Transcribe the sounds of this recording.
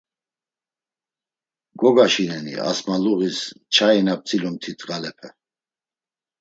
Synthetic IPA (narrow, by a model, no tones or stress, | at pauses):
ɡɔɡaʃinɛnḭa̰smaluʁist͡ʃʰainap̚t͡sʰʼilumt̪ʰit̪ʼʁalɛpʰɛ